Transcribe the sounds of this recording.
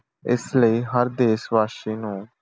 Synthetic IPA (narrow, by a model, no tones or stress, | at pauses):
ɪ̰sləiːɦəɾd̪eːsʋaːʃiːnũː